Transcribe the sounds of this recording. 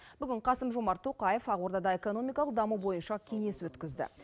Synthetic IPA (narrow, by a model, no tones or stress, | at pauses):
bʏɡʲɪɴqʰɑsəmʒo̞mɑɾt̪ʰːoqɑje̞fɑʁwo̞ɾd̪ɑd̪ɑe̞ko̞no̞mijkɑlˠəq̚d̪ɑmubo̞jənʃɑkʲʰe̞ŋe̞swɵt̪kʲɪzd̪ɪ̰